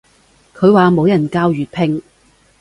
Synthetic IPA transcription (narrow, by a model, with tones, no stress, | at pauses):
kʰɵ˨˧ɥwaː˨mo˨˧wjɐ˨˩nkaː˧wjyː˨˩t̚pʰɪ˧ŋ